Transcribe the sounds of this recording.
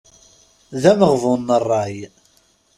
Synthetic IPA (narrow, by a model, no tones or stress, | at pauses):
ðæməʁvʊnːərˤːɑj